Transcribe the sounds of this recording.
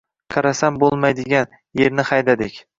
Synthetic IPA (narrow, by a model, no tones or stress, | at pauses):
qʰɑɾasambolˠmajd̪ɪɡʲan | je̞ɾnɪχɑjd̪ad̪ɪkʲ